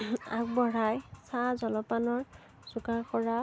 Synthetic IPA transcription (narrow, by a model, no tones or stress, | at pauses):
a̰k̚bɔɹajsazɔlɔpanɔɹ | z̥ukakɔɹa